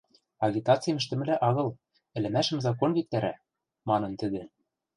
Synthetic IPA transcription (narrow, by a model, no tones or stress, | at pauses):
ɑɣʲit̪ɑt͡sɨjmɘ̆ʃ̬t̪ɘ̆mɘ̆læʔɑɣɤ̆l | ɘ̆lɘ̆mæʃɘ̆mzɑk̬onβik̚t̪æɾæ̰ | mɑnɤ̆nt̪ɘ̆d̪ɘ̆